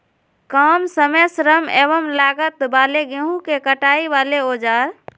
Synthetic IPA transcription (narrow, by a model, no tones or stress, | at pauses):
kəmsəmesɾəmebəmlaɡət̪baːleɡeɦũkekəʈaːibaleoːd͡ʒaːɾ